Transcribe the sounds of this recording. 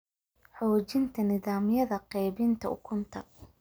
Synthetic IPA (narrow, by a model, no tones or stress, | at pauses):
ħɔːt͡ʃɪnt̪ʰɐnɪðaːmjɐðɐqɛjβɪnt̪ʰɐʊ̰kʰʊnt̪ʰɐ